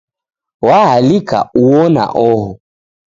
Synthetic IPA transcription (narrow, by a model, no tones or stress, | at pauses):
wahalika̰uɔna̰ʔɔɦɔ